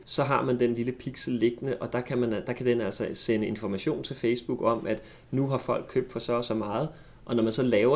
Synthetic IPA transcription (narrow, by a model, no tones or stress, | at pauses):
sɒ̽ɦɑ̈mænd̥enliləpʰiɡ̥sl̩ːe̝ɡ̥ənəʔɒ̽d̥ɑ̈kʰæmænd̥ɑ̈kʰæd̥enæl̰sɐsenəe̝nfɒmæɕo̝̰ːnt͡sʰe̝lfeɪsb̥uɡ̥ɒ̽m̰ʔæd̥ | nuɦɑ̈fɒ̽l̰ɡ̥̚kʰø̰b̥̚d̥fɒ̽sɒsɒ̽mɑ̈ːð̞̩ˠ | ʔɒ̽nɒmænsɒ̽lɛːʊɐ